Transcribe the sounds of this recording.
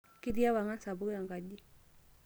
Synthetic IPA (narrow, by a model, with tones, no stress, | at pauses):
ki˦di˦ja˦wa˨ŋa˦nsa˨bu˦ka˨ŋɡa˨ɟi˦